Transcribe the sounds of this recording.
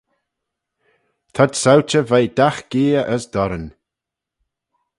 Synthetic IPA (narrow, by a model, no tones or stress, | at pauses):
t̪ʰadsawt͡ʃəvajd̪̥axɡ̥eːəʔəsd̪̥ɔɾən